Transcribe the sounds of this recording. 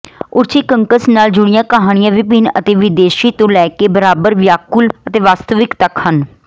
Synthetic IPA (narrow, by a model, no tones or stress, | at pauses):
ʊɾt͡ʃiːkəŋkəsnaːld͡ʒʊɽ̃ɪjãːkəɦaːɽ̃ɪjãːʋipiːnə̰t̪eːʋɪd̪eːʃiːt̪õːlɛːkeːbəɾaːbəɾʋjaːkʊlət̪eːʋaːst̪əʋɪkt̪əkhən